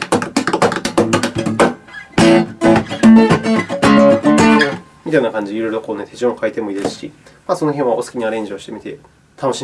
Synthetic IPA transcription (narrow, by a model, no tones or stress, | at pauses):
mʲit̪ainakãɲ̟d͡ʑiiɾoiɾokoːnet̪ʰe̞t͡ɕiõ̞ŋkait̪e̞moid̪esɨ̥ɕi | maso̞no̞ɦẽɰ̃βaosɨ̥kʲiɲ̟iaɾẽ̞ɲ̟d͡ʑio̞ɕi̥t̪e̞mit̪e̞ | t̪ʰano̞ɕi